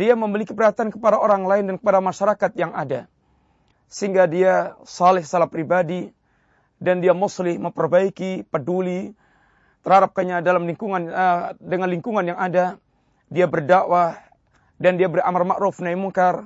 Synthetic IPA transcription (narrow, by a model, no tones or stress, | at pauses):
diaməmilikipəɾɦat̪iankəpadaoɾaŋlaɪndankə̥padamaʃaɾakat̪̚jaŋada | səɦiŋɡadiasalɛhsalapɾibadi | dandiamuslɪhməmpərbaikipəduli | t̪ərhaɾap̚kaɲadalamliŋkuŋandəŋanliŋkuŋanjaŋada | diabərdawah | dandiabəra̰marmaʔɾufnaimuŋkar